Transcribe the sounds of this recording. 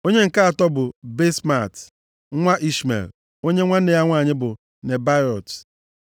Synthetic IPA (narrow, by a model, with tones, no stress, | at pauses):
o˦ɲe˦ŋ̩˨ka˦a˨tɔ˦bʊ˨be˦sma˦˨t | ŋʷa˦ʔi˦smḛ˨l | o˦ɲe˦ŋʷa˦n̩˦ne˨ja˦ŋʷaː˦˨ɲɪ˦bʊ˨ | ne˨ba˦ɾɔ˨t